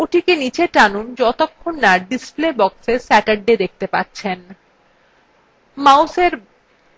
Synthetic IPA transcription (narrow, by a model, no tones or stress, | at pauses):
oʈʰikenit͡ɕʰeʈanund͡ʑɔt̪okʰːonːaɖisplebɔksesɛʈaɖed̪ek̚t̪epatːɕʰen | mawseɾ